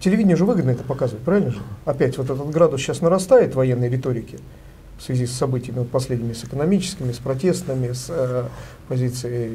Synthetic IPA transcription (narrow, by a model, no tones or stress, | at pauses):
tʲɪlʲɪvʲidʲɪnʲjəuʐɨvɨɡəd̪nəɛt̪əpɐkazɨvət̪̚pɾavɪlʲnəʐɨɐpʲætʲvo̞t̪ɛt̪ət̪ɡɾad̪ʊsɕasnəɾɐst̪ajɪt̪vɐjenːəjɾʲɪt̪o̞ɾʲɪkʲɪ | fsvʲɪzʲisːɐbɨtʲɪjəmʲɪot̪̚pɐsʲlʲedʲnʲɪmʲɪsɨkənɐmʲit͡ɕɪ̥skʲɪmʲɪspɾɐtʲe̞st̪əmʲɪs | pɐzʲit̪sɨɪj